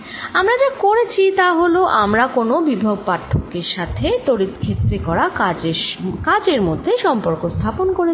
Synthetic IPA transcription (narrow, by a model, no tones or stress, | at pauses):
amɾad͡ʑakoɾet͡ɕʰit̪aɦoloʔamɾakonobibʱoɡ̚paɾt̪ʰokːeɾʃat̪ʰet̪oɾit̪kʰet̪ːɾekɔɾakad͡ʑkad͡ʑeɾmod̪ʱːeʃɔmpoɾkost̪ʰaponkoɾe